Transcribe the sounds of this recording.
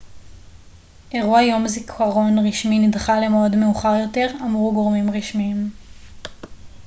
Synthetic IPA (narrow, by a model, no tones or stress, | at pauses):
ʔe̞ʁuajo̞mzikʰaʁo̞nʁiʃminidχale̞meodme̞uχaʁjo̞te̞ʁamʁuɡo̞ʁmimʁiʃmiːm